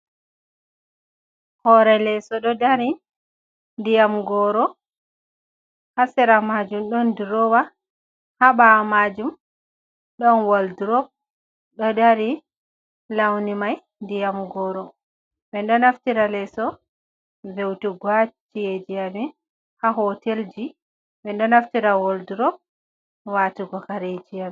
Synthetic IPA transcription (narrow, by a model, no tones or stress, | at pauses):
hɔɾɛlɛsɔɗɔdaɾi | ndijamɡɔɾɔ | hasɛɾamad͡ʒumɗɔndɾɔwa | haɓamad͡ʒum | ɗɔnwaldɾɔb̚ | ɗɔdaɾi | lawnimaj | ndijamɡɔɾɔ | ɓɛndɔnaftiɾalɛsɔ | vewtuɡwat͡ʃijed͡ʒijamin | haɦɔteld͡ʒi | ɓɛndɔnaftiɾawɔlduɾɔp̚ | watuɡɔkaɾed͡ʒijami